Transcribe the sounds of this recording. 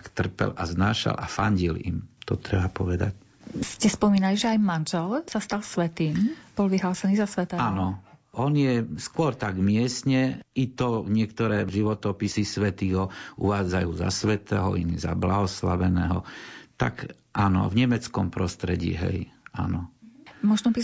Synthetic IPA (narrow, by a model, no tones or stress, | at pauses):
kt̪r̩pɛ̰laznaːʃa̰lʔafaɲɟilḭmt̪ɔt̪ɾɛbapɔʋɛd̪a̰c | scɛspɔmiːnaliʒɛajmanʒɛlsast̪alsʋɛt̪iːmb̥ɔlʋiɦlaːsɛniːzasʋɛt̪ɛːanɔʔɔnjɛskʊɔɾt̪aɡmɪɛsɲɛit̪ɔɲɪɛkt̪ɔɾɛːʒiʋɔt̪ɔpisisʋɛt̪iːɦɔʔṵʋaːd͡zajuːza̰sʋɛt̪ɛ̰ːɦɔ̰ḭniza̰blaɦɔslaʋɛnɛːɦɔt̪a̰k | ʔanɔ̰vɲɛmɛt͡skɔmpɾɔst̪ɾɛɟḭːɦɛ̰ja̰nɔmɔʒnɔpi